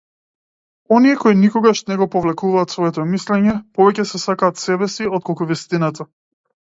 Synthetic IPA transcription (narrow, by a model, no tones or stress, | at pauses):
ɔniɛkɔinikɔɡaʃnɛɡɔpɔvlɛkuvaːt̪svɔɛt̪ɔmislɛɲɛpɔvɛcɛsɛsakaːt̪sɛbɛsiɔt̪̚kɔlˠkuvist̪inat̪a